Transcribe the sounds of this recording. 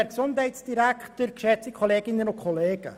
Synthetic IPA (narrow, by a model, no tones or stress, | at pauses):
ɛɾksʊnthɛɪtsd̥iɾæktəɾkʃɛt͡sikʰoleːɡɪnənʊkʰɔleːɡ̥ə̰